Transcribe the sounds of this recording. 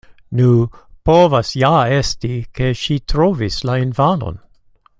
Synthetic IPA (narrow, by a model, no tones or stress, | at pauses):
nupovasjaestike̞ʃitʰɾovislainfano̰n